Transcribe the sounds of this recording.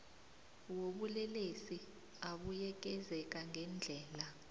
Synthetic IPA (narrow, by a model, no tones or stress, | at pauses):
woɓulɛlesi | aɓujɛk̬ʼɛzɛk̬aŋɡʱɛnd͡ɮʱɛːla